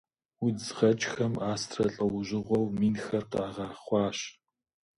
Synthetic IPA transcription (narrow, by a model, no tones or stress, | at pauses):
wizʁɐt͡ʃʼxɐmaːstʰrɐɬʼɐwʊʑɪʁʷɔwmiːnxɐrqɑːʁɑːχʷɑːɕ